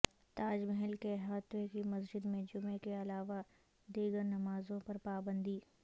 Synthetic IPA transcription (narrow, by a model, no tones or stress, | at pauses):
t̪aːd͡ʒmɛɦɛlkeɦaːt̪wekimɐsd͡ʒɪd̪mẽd͡ʒʊmekeɐlaːʋa | d̪iːɡəɾnɐmaːzõpɐɾpaːbə̃nd̪iː